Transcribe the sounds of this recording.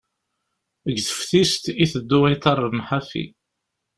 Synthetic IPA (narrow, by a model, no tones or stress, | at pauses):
əɡθəfθist̪iθəd̪ːuijt̪ɑrˤnħafḭ